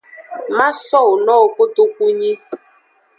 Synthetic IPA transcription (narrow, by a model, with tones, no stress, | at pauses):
ma˦sɔ˦˨o˨nɔ˦˨ko˦to˦kʷu˦ɲi˦